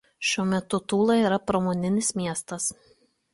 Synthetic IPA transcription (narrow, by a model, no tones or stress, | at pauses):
ʃʲuɔmʲɛt̪ʊt̪uːlˠɐiɾɐpɾomoːnʲɪnʲɪsmʲiɛst̪ɐs